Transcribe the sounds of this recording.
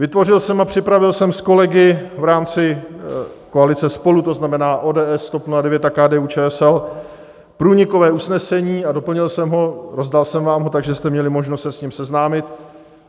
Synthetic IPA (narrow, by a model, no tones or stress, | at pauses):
vɪt̪vo̞rɪlsɛmapr̝̥ɪpɾavɪlsɛmsko̞lɛɡɪvɾaːmt͡sɪ | koalɪt͡sɛspo̞lut̪o̞znamɛnaːʔoːdɛːʔɛst̪opnuadɛvjɛt̪akaːdɛːuːt͡ʃɛːɛsɛl | pɾuːɲɪko̞vɛːusnɛsɛɲiːado̞pl̩ɲɪlsɛmɦo̞ɾo̞zdalsɛmvaːmɦo̞t̪aɡʒɛst̪ɛmɲɛlɪmo̞ʒnost̪sɛsɲɪmsɛznaːmɪt̪